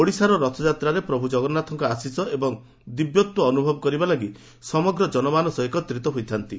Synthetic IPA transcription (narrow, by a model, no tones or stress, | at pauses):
oɽisaɾɔɾɔt̪ʰɔd͡ʒat̪ɾaɾepɾɔbʱud͡ʒɔɡɔnat̪ʰɔŋkɔasisɔʔebɔŋ | d̪ibjɔt̪wɔːnubʱɔbɔkɔɾibalaɡi | sɔmɔɡɾɔd͡ʒɔnɔmanɔsɔjkɔt̪ɾit̪ɔɦujt̪ʰant̪i